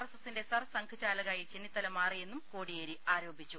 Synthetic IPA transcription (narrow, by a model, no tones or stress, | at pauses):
rɐsɐsinde̞sɐrsɐŋkʰɨt͡ɕaːlɐɣaːjit͡ɕe̞nːit̪ːɐlɐmaːrije̞nːumkoːɽijeɾiaːɾo̞ːbʱit͡ɕːu